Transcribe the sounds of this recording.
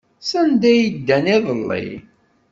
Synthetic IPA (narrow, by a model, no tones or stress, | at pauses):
sænd̪æjid̪ːæniðˤəlːḭ